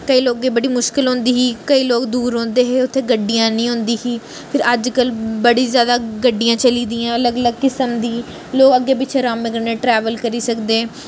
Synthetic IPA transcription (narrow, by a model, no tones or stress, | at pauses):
kəiːloːkeːbəɽiːmʊʃkɪlɦʊ̃nd̪iːɦiːkəiːloːkd̪uːɾɦõːnd̪eːɦeːʊt̪ʰːeːɡəɖːijãːnəĩːɦʊ̃nd̪iːɦiː | pʰɪɾəd͡ʒkəlbəɽiːzjaːd̪aːɡəɖːijãːt͡ʃəliːd̪iːãːələɡələɡkɪsəmd̪iː | loːkəɡːeːpɪt͡ʃʰeːɾaːmːeɡəɾneːʈɾɛːʋəlkəɾiːsəkd̪eː